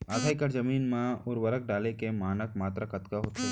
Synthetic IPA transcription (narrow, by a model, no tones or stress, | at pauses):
aːd̪ʰʱaːikɐɾzɐmiːnmãʊɾʋəɾək̚ɖaːlekemaːnək̚maːt̪ɾakɐt̪kaɦoːt̪a